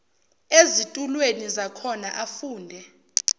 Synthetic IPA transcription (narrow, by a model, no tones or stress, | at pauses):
ezitʼulwenizakʰɔnaʔafuːndʱɛ